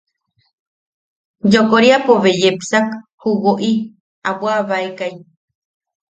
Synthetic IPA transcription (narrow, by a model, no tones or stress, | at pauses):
jokoɾiapoβejepsakhuwoʔi | aβwaβaekaj